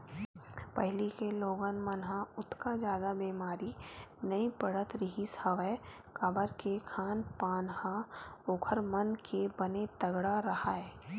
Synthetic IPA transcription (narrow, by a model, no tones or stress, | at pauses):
pəɦɪlikeloːɡənmənɦãʊt̪kad͡ʒjaːd̪abeːmaːɾinɐipəɽət̪ɾɪɦisəʋə | kabəɾkekʰaːnpaːnhaoːkʰəɾmənkʰebɐnet̪ɐɡɽaɾɐhaɛː